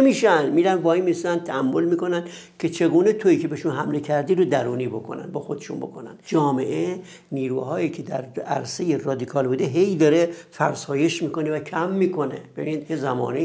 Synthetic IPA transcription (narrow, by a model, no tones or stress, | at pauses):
miːʃænmiːɾænbɒːimisænt̪ʰææmːolmiːko̞næn | kʲʰet͡ʃʰe̞ɡuːnet̪ʰoiːcʰe̞beʃunɦæmle̞cʰæɾd̪iːɾod̪æɾuːniːbo̞kʰo̰næ̰nbɒxo̞d̪e̥ʃṵnbo̞̰kʰo̞næ̰nd̪d͡ʒɒːme̞ʔe | niːɾuːhɒːjiːcʰe̞d̪æɾæ̰ɾse̞jerɒːd̪ikʰɒːlbuːd̪eɦe̞jd̪ɒɾefæɾsɒːje̞ʃmiːko̞nevækʰæmːiːkʰo̞nebbe̞binid̪hezæmɒ̰ːne